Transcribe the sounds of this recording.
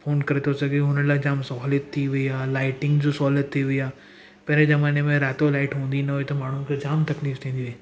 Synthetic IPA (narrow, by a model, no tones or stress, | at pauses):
fʰoːnkɐɾet̪ʰosɐɡeoɦʊnəlaːd͡ʑaːmsɔːlət̪ʰːiʋɐiaːlaːɪʈɪ̃ŋɡd͡ʑosɔːlət̪ʰːiʋiaː | pɐɾẽzɐmaːnemẽɾɛːt̪olaːɪʈɦũːn̆d̪inɐɦoet̪ɐmaːɳ̤ũkʰed͡ʑaːmt̪ɐkliːft̪ʰĩːnd̪iʋeeː